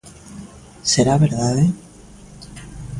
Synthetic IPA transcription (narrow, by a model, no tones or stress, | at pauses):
seɾaβeɾðaðe